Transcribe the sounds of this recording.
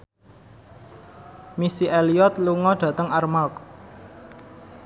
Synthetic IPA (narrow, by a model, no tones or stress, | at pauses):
misiʔeliɔt̪luŋɔɖ̥ä̤t̪əŋarmak